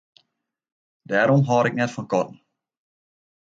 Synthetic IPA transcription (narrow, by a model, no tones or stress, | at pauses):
dæːɾɔmɦɑːɾɛk̚nɛtfɔnkɔtn̩